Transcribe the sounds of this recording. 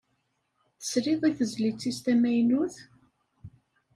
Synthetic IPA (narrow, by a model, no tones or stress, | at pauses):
θə̥sɾiðˤiθəzlit͡sːist̪æmæjnuθ